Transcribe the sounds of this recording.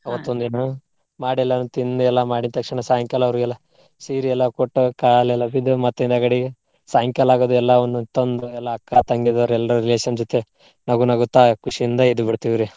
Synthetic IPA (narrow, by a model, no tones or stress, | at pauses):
ɐʋɐt̪ːond̪inɐ | maːɽɛlːɐnut̪ind̪uɛlːɐmaːɽint̪ɐkʂɐɳɐsaːɦɐŋkʲjɐlɐʋɐɾuɛlːɐ | siːɾiɛlːɐkoʈːukaːlɛlːɐbid̪umɐt̪ːind̪aːɡɐɽiɡe | saːjɐŋkʲjɐlaːɡod̪uɛlːɐond̪ut̪ɐnd̪uɛlːɐːkːat̪ɐŋɡid̪oɾɛlːɾuɾileːʂɐnd͡ʒot̪e | nɐɡunɐɡut̪aːkuʂijind̪ɐed̪ubiɽt̪iʋiɾe